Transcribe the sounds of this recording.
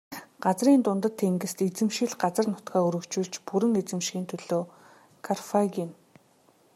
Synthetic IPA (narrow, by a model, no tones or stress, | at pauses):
ɢ̥at͡sriːnt̪ʊnt̪ə̆t̪ʰːeŋɡɘ̆st̪et͡sɘ̆mʃɪ̆ɮɢat͡sə̆rnʊt̪ɡaːuɾɵ̆kt͡ɕuːɮt͡ɕpuɾɘ̆ŋet͡sɘ̆mʃxiːnt̪ʰɵɮoː | kʰarfaɣʲin